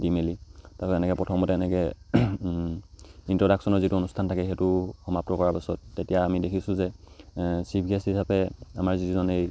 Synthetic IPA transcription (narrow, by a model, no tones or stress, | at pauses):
dimelitasɔɛnɛkɛpɹɔtʰɔmɔtɛɛnɛkɛ | intɹɔdaksɔnɔzituonustʰantʰakɛxɛtʊxɔmap̚tɔkɔɹaɹpisɔtːetijaːmidekʰisʊ̃zɛ | sipʰiesɦisapɛamaɹzituzɔnej